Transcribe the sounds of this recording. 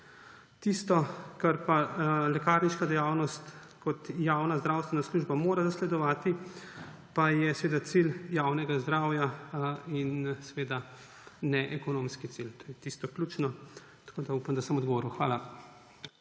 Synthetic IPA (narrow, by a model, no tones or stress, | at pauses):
t̪ist̪ɔkaɾpalɛkaːɾniʃkad̪ɛjaːwnɔst̪ | kɔt̪jawnazd̪ɾawst̪ʋɛnasluːʒbamoːɾazaslɛd̪ɔʋaːt̪i | pajɛsɛʋeːd̪at̪siljawnɛɡazd̪ɾaːwjainsɛʋeːd̪a | nɛʔɛkɔnomskit̪silt̪oːjɛt̪ist̪ɔklut͡ʃnɔ | t̪ḁkoːd̪aupamd̪asəmɔd̪ɡɔʋoːɾiwxʋaːla